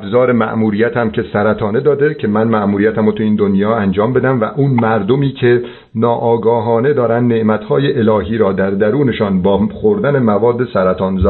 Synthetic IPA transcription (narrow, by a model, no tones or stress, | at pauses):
æbzɒːɾemæ̰ʔmuːɾiːjæt̪ʰæmcʰe̞sæɾæt̪ʰɒːne̞d̪ɒːd̪e̞cʰe̞mænmæʔmuːɾijæt̪ʰæmot̪ʰuiːnd̪onjɒːænd͡ʒɒːmbe̞d̪æmvæ̰ʔuːnmæɾd̪o̞miːcʰe̞ | nɒːʔɒːɡɒːɦɒːne̞d̪ɒːɾænd̪ne̞ʔmæt̪hɒːjeʔelɒːɦiːɾɒːd̪æɾd̪æɾuːne̞ʃɒːnbɒːχoɾd̪æne̞mævɒːd̪ːe̞sæɾæt̪ʰɒːnz